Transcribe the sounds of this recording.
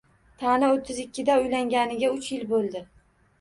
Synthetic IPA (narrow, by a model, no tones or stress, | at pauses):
t̪ʰanaot̪ʰːɪzɪkʲːɪd̪aʊjlaŋɡʲanɪɡʲaʊt͡ʃjɪlbolˠd̪ɪ